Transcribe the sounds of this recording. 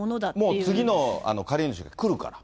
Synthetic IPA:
d̪mo̞ːt͡sɨɡʲino̞a̰no̞kaɾʲeːnoɕɨɡakɯ̟ɾɯ̟ka̰ɾa

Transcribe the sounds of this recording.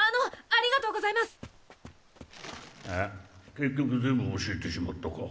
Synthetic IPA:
anoaɾʲiɡat̪o̞ːɡo̞zaimasɨ̥ | eke̞kʲːokɯ̟zẽ̞mbɯoɕiet̪eɕimat̪ːoko̰

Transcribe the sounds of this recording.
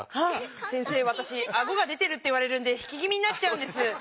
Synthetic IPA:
hasẽ̞ɰ̃se̞ːβat̪aɕiaɡo̞ɡad̪e̞t̪e̞ɾɯ̟t̪ːo̞iβaɾe̞ɾɯ̟̃nd̪e̞çi̥kʲiɡʲimʲiɲ̟inat̚t͡ɕːaɯ̃nd̪esɨ

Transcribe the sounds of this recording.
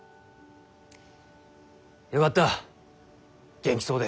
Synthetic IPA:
jo̞kat̪ːa | ɡ̥ẽ̞ŋkʲi̥so̞ːd̪e

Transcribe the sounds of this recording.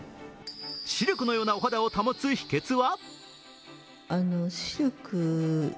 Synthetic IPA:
ɕiɾʲokɯ̟no̞jo̞ːnaoɦad̪ao̞t̪amot͡sɨçi̥ke̞t͡sɨβa | anoɕiɾʲokɯ

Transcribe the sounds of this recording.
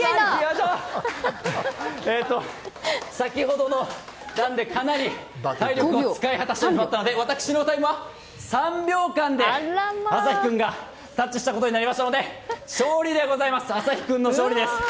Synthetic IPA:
iaa | eːt̪ːo̞ | sakʲiho̞d̪o̞no̞nãnd̪e̞kanaɾʲit̪aiɾʲokɯot͡sɨ̥kaihat̪aɕiok̪imat̪ːano̞d̪e̞βat̪akɯ̥ɕino̞t̪aimɯ̟βa | sãmbʲo̞ːkãnd̪e̞asaçi̥kɯ̟̃ŋɡa | t̪at͡ɕːiɕi̥t̪ako̞t̪o̞ɲ̟inaɾʲimaɕt̪ano̞d̪e̞ɕo̞ːɾʲid̪e̞ɡo̞zaimasɨ̥asaçi̥kɯ̟̃nːoɕo̞ːɾid̪e̞sɨ̥

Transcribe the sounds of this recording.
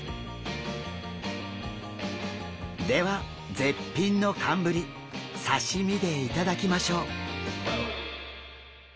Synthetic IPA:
d̪e̞βa | d͡ze̞pʲːĩnːo̞kʰãmbɯ̟ɾʲi | saɕimʲid̪e̞it̪ad̪akʲimaɕo̞ː

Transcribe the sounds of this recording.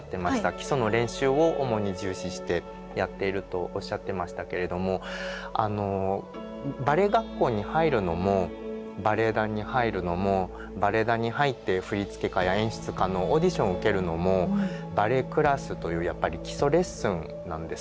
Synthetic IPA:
t̪ːe̞maɕi̥t̪akʲi̥so̞no̞ɾẽ̞ɰ̃ɕɨːo̞ʔomo̞ɲ̟iʑɨːɕiɕi̥t̪e̞ | jat̪ːe̞iɾɯ̟t̪o̞ʔoɕːat̪ːe̞maɕi̥t̪ake̞ɾe̞d̪o̞mo̞a̰no̞ | baɾe̞ɡakːo̞ːɲ̟ihaiɾɯ̟no̞mo̞baɾe̞d̪aɲ̟ihaiɾɯ̟no̞mo̞ | baɾe̞d̪aɲ̟ihait̪ːe̞ɸɯ̟ɾʲit͡sɨ̥ke̞kajaẽ̞ɰ̃ɕɨ̥t͡sɨkano̞ːd̪ʲiɕõɰɯ̟ke̞ɾɯ̟no̞mo̞baɾe̞kɯ̟ɾasɨt̪o̞jɯ̟ːjapːaɾʲikʲi̥so̞ɾe̞sɯ̃n | nãnd̪e̞

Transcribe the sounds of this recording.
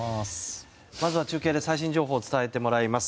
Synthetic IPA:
s | mazɨβat͡ɕɨːkʲeːd̪e̞saiɕ̬ĩɲ̟d͡ʑo̞ːɦo̞ːt͡sɨ̥t̪ae̞t̪e̞mo̞ɾaimasɨ̥

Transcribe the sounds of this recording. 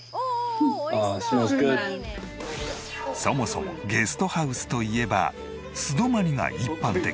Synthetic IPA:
asoaske | so̞mo̞somoɡe̞sɨ̥t̪o̞haɯ̟sɨ̥t̪o̞ie̞ba̰ | sɨd̪o̞maɾʲiŋa̰ʔipːãnt̪e̞

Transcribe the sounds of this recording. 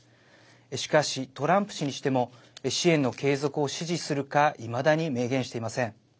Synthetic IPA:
eɕi̥kaɕit̪o̞ɾãmpɯ̟̥ɕiɲ̟iɕi̥t̪e̞mo̞ | eɕiẽ̞nːo̞ke̞ːzo̞kɯ̟o̞ɕiʑisɨɾɯ̟kaʔimad̪aɲ̟ime̞ːɡẽ̞ɰ̃ɕi̥t̪e̞imasẽ̞ŋ̃

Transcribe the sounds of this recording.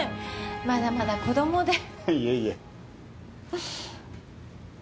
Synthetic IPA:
mad̪amad̪akod̪omod̪ejeje

